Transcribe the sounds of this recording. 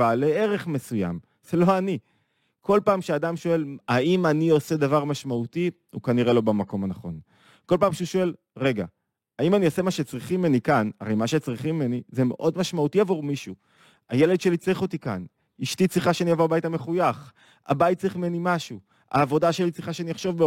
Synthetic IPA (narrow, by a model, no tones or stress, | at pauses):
aleeʁe̞χme̞suja̰m | z̥elo̞ani | kʰo̞lpaːmʃeadamʃoe̞laimanio̞se̞davaʁmaʃmauti | ukaniʁe̞lo̞bamako̞manaχo̞̰n | ko̞lpaːmʃeuʃo̞e̞l | ʁe̞ɡa̰ | aimaniose̞maʃet͡sʁiχimenikana̰ʁejmaʃe̞t͡sʁiχimimenizemḛʔo̞dmaʃmautiavoʁmiʃu | aje̞led̪ʃelit͡sʁiχo̞t̪ikan | iʃtit͡sʁiχaʃeaniavo̞abaitame̞χujaχ | a̰bait̪̚t͡siχmenimaʃu | a̰ːvo̞daʃelit͡sʁiχaʃeanijaχʃo̞vbe